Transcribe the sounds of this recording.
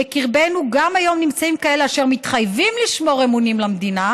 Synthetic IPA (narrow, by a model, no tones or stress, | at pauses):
ekiʁbe̞nuɡamajo̞mnimt͡saimkae̞leaʃe̞ʁmit̪χajvimliʃmo̞ʁemunimlamd̪ina